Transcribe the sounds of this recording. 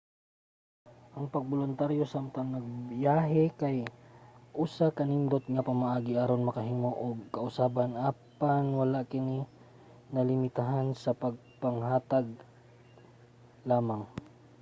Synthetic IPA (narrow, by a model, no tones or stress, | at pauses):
ʔɐŋpɐɡ̚bolʊnt̪aɾjo̞samt̪ɐŋnɐɡ̚bjaːɦɛkɐj | ʔusakɐnɪnd̪ot̪̚ŋɐpɐmɐʔaːɡɪʔaɾonmɐkɐɦiŋoʔoɡ̚kɐʔʊsaːbɐnʔaːpanwɐlaʔkɪni | nɐlɪmɪt̪aɦansɐpɐɡ̚pɐŋhaːt̪aɡ̚ | laːmaŋ